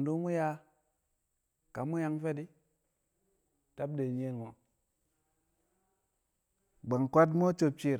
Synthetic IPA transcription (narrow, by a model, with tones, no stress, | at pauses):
ndu˦mu˦ja˧ | ka˨˦mu˦ja˧ŋfe˦ti˦ | ta˦b̚de˨ɲ˦e˧˦nŋo˨ | ɡ͡ba˨ŋkʷa˦t̬mo˦t͡ʃo˧t͡ʃʲi˦˨ɾ